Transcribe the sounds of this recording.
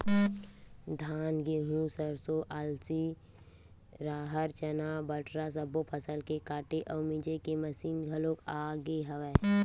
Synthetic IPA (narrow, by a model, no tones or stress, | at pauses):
d̪ʱaːnɡeɦũsəɾsoʔaːlsi | ɾaːɦəɾt͡ʃənaːbəʈɾas̬ɐbopʰəsəlkekaːʈeʔɔːmid͡ʒekeməsiːnɡʱɐlõːkaːɡeɦɐʋɛː